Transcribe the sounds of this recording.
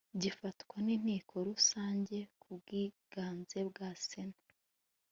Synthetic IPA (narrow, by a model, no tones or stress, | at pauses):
ɟifatkwaniːn̥iːkʰo̞ɾusaːɲɟe̞kubɡ̥iːɡ̥aːnze̞bɡaːsena